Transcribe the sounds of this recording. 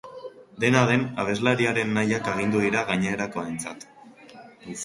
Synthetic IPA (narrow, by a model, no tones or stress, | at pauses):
d̪e̞naðe̞naβ̞e̞zlaɾiaɾe̞nːajakeɣ̞ind̪uðiɾaɣaɲeeɾako̞aent͡sat̪